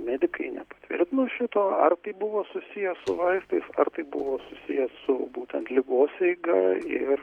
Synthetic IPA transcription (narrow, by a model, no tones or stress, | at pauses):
mʲæːd̪ʲɪkɐɪnʲɛpɐt̪ʲʋʲɪ̰ɾʲt̪ʲɪnoːʃʲɪt̪oːɐrt̪ɐɪbʊʋoːsʊsʲijɛsʊʋɐɪst̪ɐɪsɐrt̪ɐɪbʊʋoːsʊsʲijɛsʊbuːt̪ʲɛnt̪lʲɪɡoːsɛɪɡɐɪr